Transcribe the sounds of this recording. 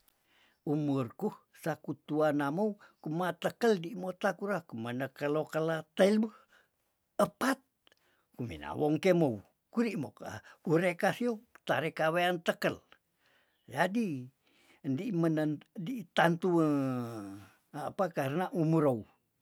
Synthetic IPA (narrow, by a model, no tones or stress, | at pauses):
umurkuh | sakut̪uanamoukumat̪əkəldimot̪akuɾakumənəkəlokəlat̪əilbəh | əpat̪̚ | kumḭna̰woŋkemou | kuɾiʔmokauɾekasiot̪aɾekaweant̪əkəl | d͡ʒadi | ndimənəndit̪ant̪uə | apakarənaʔumuɾou